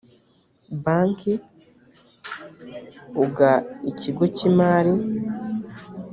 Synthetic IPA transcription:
baːŋki | uɡaiciɡo̞cimaːɾi

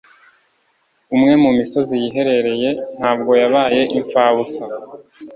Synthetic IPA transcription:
umŋe̞mumiso̞zijiɦe̞ɾe̞ɾe̞je̞n̥haːb̚ɡo̞jaβaːje̞ʔiɱfaːβusa

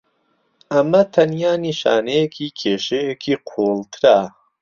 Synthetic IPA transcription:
ʔɐmɐt̪ʰɐnjaːniːʃa̰ːnejekʰiːkʰeːʃejekʰiːqʰoːlt̪ʰɨɾa

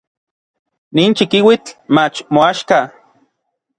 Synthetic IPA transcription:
niːnt͡ʃikiwit͡ɬmat͡ʃmoaʃka

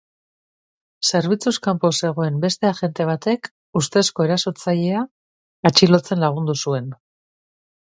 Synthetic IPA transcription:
se̞ɾβit͡suskampose̞ɣ̞o̞e̞mbe̞st̪e̞aʝe̞nt̪e̞β̞at̪e̞k | ust̪esko̞e̞ɾaso̞ɾt͡saʎe̞aː | t͡ʃilo̞t͡se̞nlaɣ̞und̪usue̞n

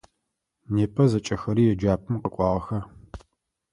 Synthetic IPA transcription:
neːpʰʼɐzɐt͡ʃʼɐxɐɾiːjɛd͡ʒaːpʰʼɨmqəkʷʼɑːʁɐxɐr

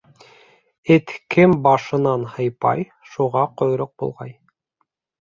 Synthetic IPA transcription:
ɘt̪kɘmbɑʃɤ̆nɑnhɤ̆jpɑ̰j | ʃuʁɑqŏjɾoq̚bṵlˠʁɑ̰j

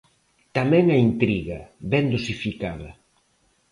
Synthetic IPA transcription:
t̪amɛ̃ŋɐint̪ɾiɣɐβɛnd̪osifikaðɐ

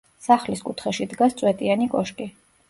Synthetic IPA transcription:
saχliskʼut̪ʰχɛʃid̪ɡast̪sʼwɛt̪ʼianikʼɔʃkʼi

